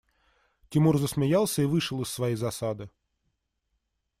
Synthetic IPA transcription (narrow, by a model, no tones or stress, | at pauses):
tʲɪmurzəsʲmʲɪjalˠsʲəivɨʂɨlˠɨsːvɐjijzɐsad̪ɨ